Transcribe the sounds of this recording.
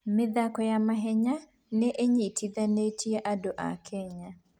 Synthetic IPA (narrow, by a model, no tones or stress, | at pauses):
meðakɔjamaɦɛɲa | neʔeɲitʰiðanetjɛʔadoʔa̰kʰɛɲa